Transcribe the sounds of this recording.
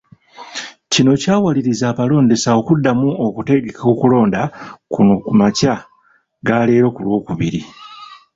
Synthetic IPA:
cino̞caːwaliɾizaːpalo̞ːnde̞sao̞kudːamuokute̞ɡeko̞kulo̞ːndakunokumaca | ɡaːle̞ːɾo̞kulwo̞ːkuβiɾi

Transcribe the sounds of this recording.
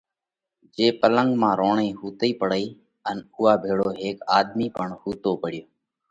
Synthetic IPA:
d͡ʒeːpələŋɡmãːɾoːɳeːɦuːt̪iːpəɽəiː | ənʊːaːbʱeːɽoːɦeːkaːd̪miːpəɳhuːt̪oːpəɽ̤ɪjoː

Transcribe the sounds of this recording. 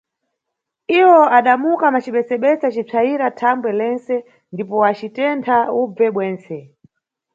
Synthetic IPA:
iwɔaɗamukamat͡ʃiɓɛsɛɓɛsat͡ʃib͡ʐʰaiɾatʰambwɛlɛnt͡sɛ | ndipɔat͡ʃitɛntʰaub͡vɛɓwɛːnt͡sɛ

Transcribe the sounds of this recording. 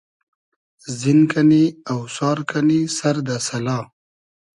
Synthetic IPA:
zinkaniawsɑːɾkʰanisaɾd̪asɐlɑː

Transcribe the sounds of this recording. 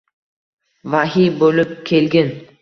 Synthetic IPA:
vaɦijbolɪp̚kʲʰelɡʲɪn

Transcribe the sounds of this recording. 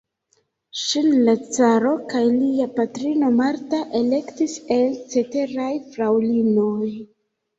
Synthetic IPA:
ʃinlat͡saɾo̞kajliapatɾino̞maɾtaʔe̞le̞ktise̞lt͡se̞te̞ɾajfɾawlino̞j

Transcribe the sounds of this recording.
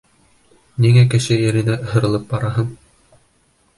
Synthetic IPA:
niŋækɘ̆ʃɘjɘ̆ɾɘ̆næhɤ̆ɾɤ̆lˠɤp̚bɑɾɑɦɤm

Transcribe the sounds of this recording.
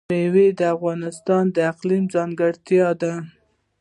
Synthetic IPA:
ewed̪əafɣɑnɪst̪ɑnd̪əɪqlimzɑŋɡəɽt̪jɑd̪a

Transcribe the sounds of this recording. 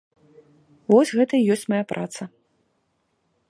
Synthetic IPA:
vɔsʲɣɛt̪ɐijɔsʲt͡sʲmajapɾʔat̪sɐ

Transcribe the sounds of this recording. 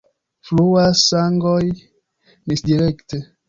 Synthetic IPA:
fluasaŋɡoj | misdiɾekte

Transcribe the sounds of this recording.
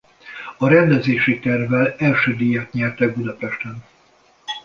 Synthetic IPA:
ɒɾɛnd̪ɛzeːʃit̪ɛrvɛlɛlʃøːd̪iːjɛt̪ɲɛrt̪ɛɡ̚bud̪ɒpɛʃt̪ɛn

